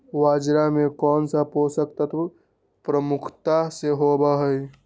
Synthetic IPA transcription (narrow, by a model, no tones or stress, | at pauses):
waːd͡ʒɾamẽkɔːnsaposək̚t̪at̪ʰ | pɾəmʊkʰt̪aseɦobaɦəj